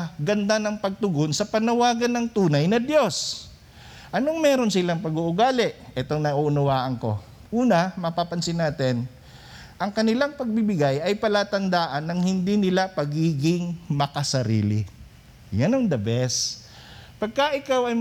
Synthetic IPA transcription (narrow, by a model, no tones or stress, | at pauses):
ɡɐnd̪anɐŋpɐɡ̚t̪ʊɡonsɐpɐnɐwaːɡɐnːɐŋt̪uːnɐjnɐd̪jo̞s | ʔɐnoŋmɛːɾo̞nsɪlaŋpɐɡuʔʊɡaːlɪʔʔɛt̪o̞ŋnɐʔuʔʊnʊwaːʔɐŋko̞̰ | ʔuːnɐmɐpapɐnsɪnaːt̪ɪn | ʔɐŋkɐnɪlaŋpɐɡ̚bɪbɪɡajʔɐjpɐlaːt̪ɐnd̪aːʔɐnːɐŋhɪnd̪inɪlapɐɡiːɡɪŋmɐkɐsɐɾḭːlɪ̰ | janɐŋd̪ɐbɛs | pɐɡ̚kɐʔɪkawɐj